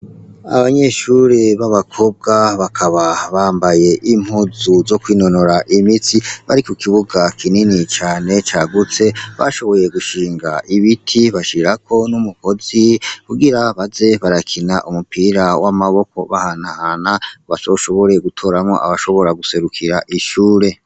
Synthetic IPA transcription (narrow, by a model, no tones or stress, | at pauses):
a̰βaɲe̞ʃuɾeβaβakʰo̞b̚ɡaβakʰaβaβaːmbaje̞ʔim̥huzuzo̞kwiːno̞noɾaʔimitiβaɾikokʰiβuɡakʰininit͡ʃaːne̞t͡ʃaːɡut͡se̞βa̰ʃo̞βo̞je̞ɡuʃiːŋɡaʔiβitʰiβaʃiɾakʰo̞numuko̞zikuɡiɾaβaze̞βaɾakʰinaʔumupiɾawamaβo̞ko̞βahanahanaβasoʃo̞βo̞ɾe̞ɡutʰo̞ːɾamŋo̰ʔa̰βaʃo̞βo̞ɾaɡuse̞ɾukʰiɾaʔiʃuːɾe̞